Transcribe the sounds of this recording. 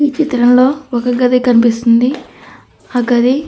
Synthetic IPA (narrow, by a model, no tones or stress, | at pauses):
iːt͡ʃit̪ɾɐmlo̞ːɔkɐɡɐd̪ekɐnip̬ist̪und̪i | aːɡɐd̪e